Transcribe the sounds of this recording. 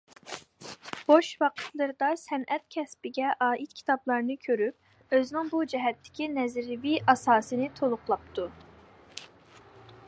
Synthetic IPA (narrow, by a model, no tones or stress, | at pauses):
b̥oʃwɑqʰə̥t̪lˠɨɾɨd̪ɑsɛnʔɛt̪̚kʲʰɛspɪɡʲɛʔɑːʔit̪̚kʲʰi̥t̪ʰɑblˠɑɾnɨkʲʰøɾyp̚ | øznɪŋbud͡ʒɛɦɛt̪ʰːɪ̥kʲinɛzɾɪviʔɑsɑːsɨnɨt̪ʰolˠʊχlˠɑp̚t̪ʰu